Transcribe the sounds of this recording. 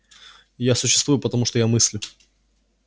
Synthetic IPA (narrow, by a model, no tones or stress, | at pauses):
jasʊɕːɪst̪vujʊpət̪ɐmuʂt̪ojamɨsʲlʲʊ